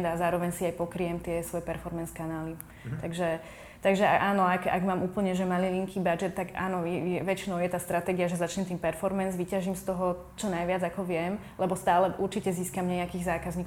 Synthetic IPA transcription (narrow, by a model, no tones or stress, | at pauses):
nd̪azaːɾɔʋɛɲsiajpɔkɾiɛmt̪ɪɛsʋɔjɛpɛɾfɔɾmɛnskanaːli | t̪aɡʒɛ | t̪aɡʒɛa̰ʔaːnɔaɡa̰ɡmaːmʔuːpl̩ɲɛʒɛmaliliŋkʰiːbad͡ʒɛt̪ːaɡa̰ːnɔɛjɛʋɛt͡ʃinɔʊjɛt̪aːst̪ɾat̪ɛɡiaʒɛzat͡ʃɲɛmt̪iːmpɛɾfɔɾmɛnzʋicaʒimst̪ɔɦɔ | t͡ʃɔnajʋɪad͡zakɔʋɪɛm | lɛbɔst̪aːlɛʔuɾt͡ʃicɛziːskamɲɛakiːɣzaːkazɲiːk